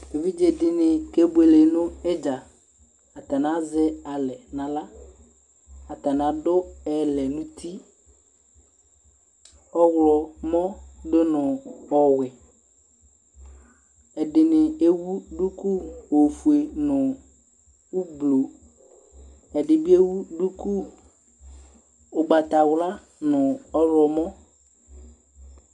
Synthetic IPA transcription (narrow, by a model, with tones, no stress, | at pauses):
e˨vi˦d͡ʒe˨dɪ˨nɪ˨ke˦be˨le˨nʊ̃˦ɛ˦d͡ʒa˨ | a˨t̪a˨nã˦zɪ˦a˨lɛ˨nã˨la˦ | a˨t̪a˨nã˨˦dʊ˦ɛ˨lɛ˨nʊ̃˦t̪i˦ | ɔ˦wlɔ˨mɔ̃˦dʊ˦nʊ̃˨ɔ˨wɪ˨ | ɛ˨ɖɪ˨nɪ˨e˦wu˦ɖu˦ku˦wo˨fu˨e˨nʊ̃˨ | wu˦blo˨ | ɛ˨ɖɪ˨bi˦e˦wu˦ɖu˦ku˦ | o˨ɡ͡ba˨t̪a˨wla˦ | nʊ̃˨ɔ˦ɾɔ˨mɔ̃˦